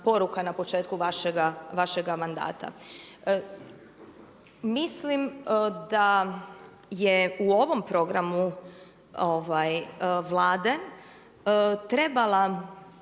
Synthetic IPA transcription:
po̞ɾukanapo̞t͡ʃe̞ːt̪kuʋaʃeɡaʋaʃeɡamand̪a̰ːt̪ʰa̰ | mislimd̪a | jeuo̞ʋo̞mpɾo̞ɡɾamu | oʋajʋlaːd̪e̞ | t̪ɾe̞bala

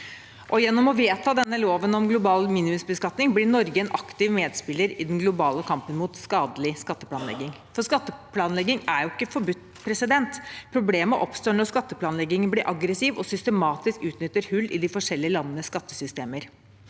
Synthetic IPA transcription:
ʔɔjɛnːɔmɔʋeːt̪ʰɑːd̪ɛnːəloːʋənɔmɡlʊbɑːlmiːnɪmʏsbəskɑt̪nɪŋblɪɾnɔɾɡəɛnʔɑkt̪ɪʋmeːd̪spɪlːəɾɪd̪ɛnɡlʊbɑːləkʰɑmpənmʊt̪skɑːd̪əlɪskɑt̪ːəpʰlɑːnɛ̰ɡːɪŋ | fɔʂkɑt̪ːəpʰlɑːnlɛɡːɪŋæɾjʊɪkːəfɔɾbʉt̪ːpʰɾɛsɪd̪ɛnt̪pʰɾʊbleːməʔɔpst̪oːɳɔskɑt̪ːəpʰlɑːnlɛɡːɪŋənblɪɾʔɑɡɾəsɪːʋɔsʏst̪əmɑːt̪ɪskʉːt̪nʏt̪ːəɾhʉlːɪ̰d̪ɪfɔʂɛlːɪəlɑnːənəskɑt̪ːəsʏst̪eːməɾ

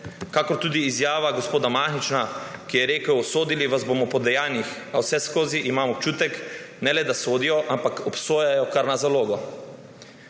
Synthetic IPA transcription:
kakɔɾt̪uːd̪iːzjaːʋaɡospoːd̪amaxnit͡ʃnakijɛɾeːkəwsoːd̪iliʋazbomɔpɔd̪ɛjaːnix | awsɛskoːziʔimaːmɔp̚t͡ʃuːt̪ɛk | nɛlɛd̪asoːd̪ijɔʔampakɔpsoːjajɔkaɾnazaloːɡɔ

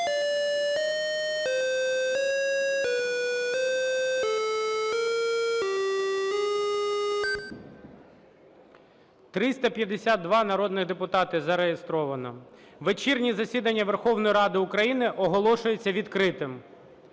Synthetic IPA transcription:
t̪ɾɪst̪ɐpʲjɐd̪esʲad̪̚d̪ʋɑnɐɾɔd̪nɪɣd̪epʊt̪ɑt̪ɪzɐɾejest̪ɾɔʋɐnɔ | ʋet͡ʃirnʲizɐsʲid̪ɐnʲːɐʋerxɔwnɔjiɾɑd̪ɪʊkɾɐjinɪʔɔɦɔlˠɔʃʊjet͡sʲːɐʋʲid̪kɾɪt̪ɪm

